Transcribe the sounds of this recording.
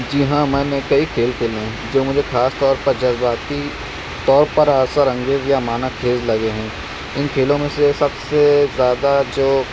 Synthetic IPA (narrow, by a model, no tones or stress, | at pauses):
d͡ʒɪɦãmɛ̃ːnekɐikʰeːlkʰeːlẽ | d͡ʒoːmʊd͡ʒʱexaːst̪ɔːɾpɐɾd͡ʒɐzbaːt̪i | t̪ɔːɾpɐɾaːsəɾɐ̃ŋɡeːzjamaːnakʰeːzlɐɡeɦɛ̃ː | ɪnkʰeːlõmẽsesɐbsezjaːd̪ad͡ʒoː